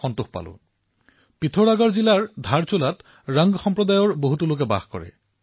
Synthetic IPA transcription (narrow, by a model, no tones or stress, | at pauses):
ɔntuxpa̰lʊ̰ | pitʰɔɹaɡɔɹzilaɹdʱaɹt͡ɕolat | ɹaŋɡxɔmpɹɔdajɔɹboɦutulok̬ɛba̰xkɔ̰ɹɛ̰